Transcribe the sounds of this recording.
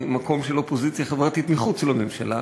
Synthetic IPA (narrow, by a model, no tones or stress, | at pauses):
mako̞mʃelopozit͡sjaχevʁat̪it̪miχut͡slamemʃala̰